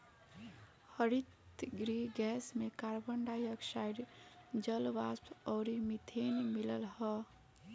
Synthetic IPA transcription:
həɾit̪ɡɾiɡɛːsmekaɾbəɳɖajəkʃaiɾd͡ʒəlʋast̪ɔʊɾimit̪ʰenmiləlɦə

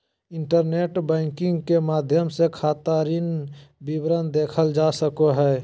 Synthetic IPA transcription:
ɪɳʈəɾneːʈbɛ̃ɪŋkɪ̃ŋɡkemaːd̪ʱjəmsekʰaːt̪aɾinbibɾənd̪eːkʰəld͡ʒasəkoɦɛ

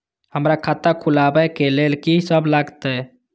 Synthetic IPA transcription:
həmɾakʰat̪akʰulabɛkelelkisəblaɡt̪ɛ

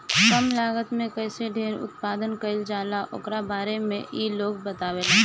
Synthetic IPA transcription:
kɐmlaːɡət̪mẽkɛːseɖʱeːɾʊ̰t̪paːd̪ənkɐɪld͡ʒaːlaʔʊ̰kɾabaːɾemḛ̃ʔiːloːɡ̚bət̪aːweːlaː

